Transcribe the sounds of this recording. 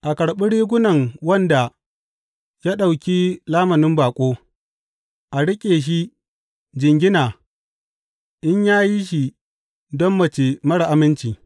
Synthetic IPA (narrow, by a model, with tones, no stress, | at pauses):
ʔa˨kɐ˨ɽɓɪ˦ɽiː˦ɡʷʊ˦nɐ˨ŋwɐ˦nda˨ | jaː˦ɗa˨wkʲi˦laː˦mɐ˨nɪ˦mbaː˨kʷʼoː˦ | ʔa˨ɽɪ˦kʲʼeː˨ʃ̬i˦ | d͡ʒɪ˨ŋɡʲɪ˦naː˨ | ʔɪ˦ɲjaː˦ji˦ʃ̬i˨ | dɔ˦mːɐ˨t͡ʃeː˨mɐ˦ɽa˨ʔa˨mɪ˦nt͡ʃiː˨